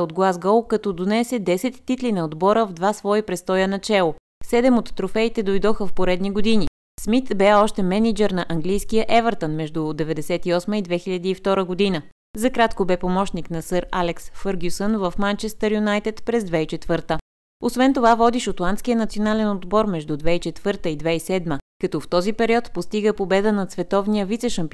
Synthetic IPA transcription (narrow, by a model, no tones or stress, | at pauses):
od̪ɡlˠazɡɔlˠkɐt̪ɔd̪onɛsɛd̪ɛsɛt̪ːit̪linɐod̪bɔɾəvd̪vasvɔipɾɛst̪ɔjənɐt͡ʃɛlˠo | sɛd̪ɛmot̪ːɾofɛit̪ɛd̪ojd̪ɔxəfpoɾɛd̪niɡod̪ini | smit̪bɛɔʃt̪ɛmɛnid͡ʒɛɾnɐʔɐŋɡlijskijəʔɛvəɾt̪ənmɛʒd̪ud̪ɛvɛd̪ɛsɛt̪iɔsməid̪vɛxiʎʲɐd̪iːft̪ɔɾəɡod̪inə | zɐkɾat̪kobɛpomɔʃniknɐsɤɾalɛksfɤɾɡʲjusənvəfmant͡ʃɛst̪əɾjunajt̪ɛt̪pɾɛzd̪vɛit͡ʃɛt̪vɤɾt̪ə | osvɛnt̪ovavɔd̪iʃot̪lˠant̪skijənɐt̪sionalɛnod̪bɔɾmɛʒd̪ud̪vɛit͡ʃɛt̪vɤɾt̪əid̪vɛisɛd̪məkɐt̪ɔft̪ɔzipɛɾiɔt̪post̪iɡəpobɛd̪ənɐt̪svɛt̪ɔvnijəvit̪sɛʃəmpi